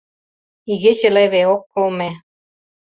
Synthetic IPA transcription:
iɣĕt͡ɕeleβeokːolme

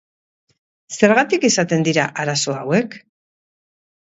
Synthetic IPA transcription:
se̞ɾɣat̪ikesat̪e̞nd̪iɾaʔaɾaso̞awe̞k

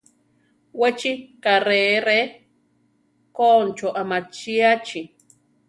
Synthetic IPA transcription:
wet͡ʃikaɾeɾe | kont͡ʃoʔamat͡ʃiat͡ʃi

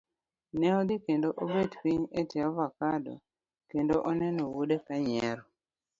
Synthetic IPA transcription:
nɛɔd̪ikendoʔobetpiɲetɪavakadɔ̰ | kendoʔonɛnowudekaɲɛɾɔ

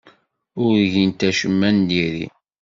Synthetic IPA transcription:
ʊɾʝint̪æʃəmːænd̪iɾḭ

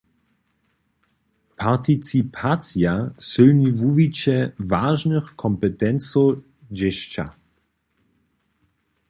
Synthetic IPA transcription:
pʰaʁt̪it͡sipʰasjasɨlnivuvit͡ɕɛvaːʒnəxkʰɔmpɛt̪ɛnt͡so | d͡ʑeɕt͡ɕa̰

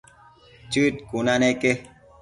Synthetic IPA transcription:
t͡ʃut̚kunaneke

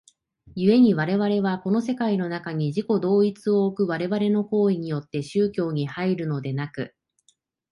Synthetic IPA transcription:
jɯ̟e̞ɲ̟iβaɾe̞βaɾe̞βako̞no̞s̬e̞kaino̞nakaɲ̟iʑiko̞d̪o̞ːit͡sɨo̞ːkɯ̟βaɾe̞βaɾe̞no̞ko̞ːiɲ̟ijo̞t̪ːe̞ɕɨːkʲo̞ːɲ̟ihaiɾɯ̟no̞d̪e̞nakɯ̟

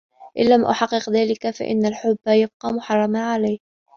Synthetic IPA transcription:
ʔɪ̰nːamʔʊ̰ħɑqːɨqðaːlɪkafa̰ʔɪ̰nːalħʊbːajab̚qɑːmʊħɑrˤːɑmaʕalajh

